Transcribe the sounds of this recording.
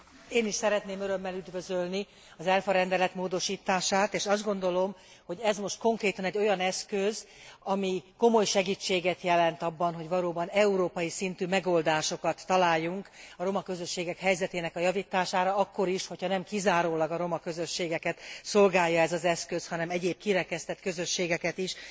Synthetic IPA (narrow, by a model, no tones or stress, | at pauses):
eːniʃsɛɾɛt̪neːmøɾø̞mːɛlyd̪vø̞zølni | ɒzɛlfɒɾɛnd̪ɛlɛt̪moːd̪o̞ʃiːt̪aːʃaːt̪eːʃɒzd̪ɡo̞nd̪o̞lo̞m | ho̞ɟɛzmo̞ʃt̪̚ko̞ŋkreːt̪ɒnɛɟːo̞jɒnɛskøz | ɒmiko̞mo̞jʃɛɡiːt͡ʃːeːɡɛt̪jɛlɛnt̪ɒbːɒnɦo̞ɟvɒloːbɒnɛuɾoːpɒjisint̪ymɛɡo̞ld̪aːʃo̞kɒt̪ːɒlaːjːuŋkɒɾo̞mɒkøzø̞ʃːeːɡɛkhɛjzɛt̪eːnɛkɒjɒvit̪aːʃaːɾɒɒkːo̞ɾiʃho̞chɒnɛmkizaːɾoːlɒɡɒɾo̞mɒkø̞zøʃːeːɡɛkɛt̪so̞lɡaːjːɒɛzɒzɛskøshɒnɛmɛɟeːb̚kiɾɛkɛst̪ɛt̪kø̞zø̞ʃːeːɡɛkɛt̪iʃ